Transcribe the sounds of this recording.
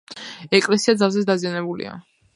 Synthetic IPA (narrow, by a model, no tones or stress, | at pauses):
ɛkʼlɛsiad̪zalˠzɛsd̪azijanɛbulḭa̰